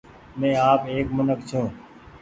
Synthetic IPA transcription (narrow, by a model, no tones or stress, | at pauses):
mẽːaːpeːkmənəkt͡ʃʰũː